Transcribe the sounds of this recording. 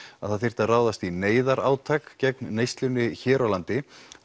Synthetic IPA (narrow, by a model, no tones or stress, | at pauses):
aðθaðθɪr̥t̪araːwðast̪ineːjðaɾaːwt̪ʰakcɛk̚nːejst̪lʏnːɪçɛːɾawlant̪ɪ